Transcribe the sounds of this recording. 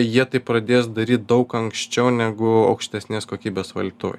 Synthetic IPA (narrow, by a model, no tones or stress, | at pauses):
jiɛt̪ɐɪppɾɐd̪ʲeːsd̪ɐɾʲiːt̪̚d̪ɐʊkɐŋksʲt͡ʃʲɛʊnʲæɡʊɐ̰ʊkʃʲt̪ʲɛsʲnʲeːskoːkʲiːbʲeːsʋɐ̰lʲt̪o̰ː